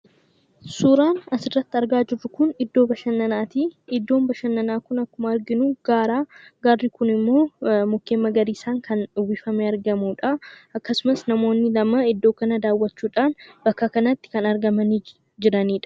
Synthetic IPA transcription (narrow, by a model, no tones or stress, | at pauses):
suːɾaːnɐsɪrːɐt̪ːɪɐɾɡaːd͡ʒɪrːʊkʊnɪd̪ːo̞ːbɐʃɐnːɐnaːt̪iɪd̪ːo̞ːmbɐʃɐnːɐnaːkʊnɐkːʊmɐɐɾɡɪnuɡ̥aːɾaːɡaːrːikʊnɪmːo̞ːmʊkːeːmːɐɡɐɾiːsaːŋkʰɐnᶑʊwɪfɐmeɐɾɡɐmuːᶑɐɐkːɐsʊmɐsnɐmo̞ːnːɪlɐmɐɪd̪ːo̞ːkɐnɐd̪aːwːɐt͡ʃːuːᶑaːnbɐkːɐkɐnɐt̪ːɪ̥kɐnɐɾɡɐmɐni | d͡ʒɪɾɐniːᶑɐ̥